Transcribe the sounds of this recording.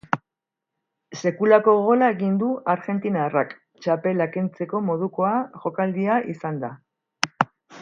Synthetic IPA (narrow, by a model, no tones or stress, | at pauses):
se̞kulako̞ɣ̞o̞laeɣind̪uʔaɾɣe̞nt̪inarak | t͡ʃape̞lakent͡se̞ko̞mo̞ð̞uko̞aʝo̞kald̪iaʔisand̪a